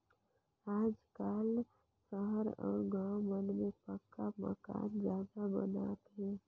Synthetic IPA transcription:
aːd͡ʒkaːl | səɦəɾɔ̰ːɾɡãwmənmepəkːamə̰ka̰ːnd͡ʒaːd̪abə̰na̰t̪ɦɛ̃

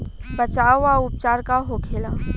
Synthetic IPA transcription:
bət͡ʃaːʋʋaʊp̚t͡ʃaːɾkaɦokʰeːlaː

